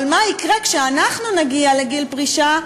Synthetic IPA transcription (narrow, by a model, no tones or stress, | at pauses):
lmaikʁakʃeanaχnunaɡialeɡilpʁiʃa